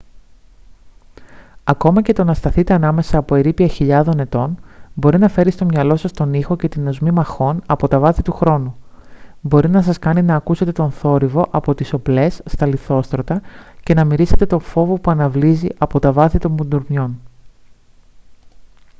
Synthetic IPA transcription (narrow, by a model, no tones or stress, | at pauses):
ɐko̞mɐce̞t̪o̞nɐst̪ɐθit̪e̞ɐnɐme̞sɐːpo̞eɾipiɐçiʎɐðo̞ne̞t̪o̞nbo̞ɾinɐfe̞ɾist̪o̞mɲɐlo̞sɐst̪o̞nixo̞ce̞t̪ino̞zmimɐxo̞nɐpo̞t̪ɐvɐθit̪uxɾo̞nu | bo̞ɾinɐs̬ɐskɐninɐːkuse̞t̪e̞t̪o̞nθo̞ɾivo̞ʔɐpo̞t̪iso̞ple̞sːt̪ɐliθo̞st̪ɾo̞t̪ɐce̞nɐmiɾise̞t̪e̞t̪o̞fo̞vo̞puɐnɐvliziʔɐpo̞t̪ɐvɐθit̪o̞mbund̪uɾmjo̞n